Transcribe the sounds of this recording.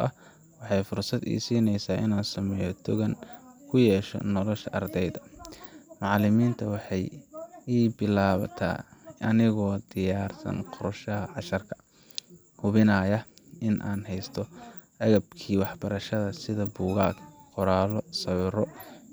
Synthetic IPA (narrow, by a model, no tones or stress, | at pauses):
ʔɐh | wɑħɑjfʊrsɐd̪ḭːsiːnɛjsaːʔɪ̰naːnsɐmɛjɔt̪ʰʊɣɐnkʰʊjɛːʃɔ̰nɔlɔʃɐʔɐrd̪ɛjðɐ | mɑʕlɪmiːnt̪ʰɐwɑħɑjiːbɪlaːβɐt̪ʰa̰ːʔɐnɪɣɔːd̪ɪjaːrsɐ̰nqɔɾɐʃɐɦɐʕɑʃɐrkʰɐ̥ | hʊβɪnaːjɐʔɪnʔa̰ːnhɛjst̪ʰɔ | ɐɣɐbkʰiːwɑħbɐɾɐʃɐðɐsɪðɐbuːɣa̰ːkqɔɾaːlɔsɐwɪrɔ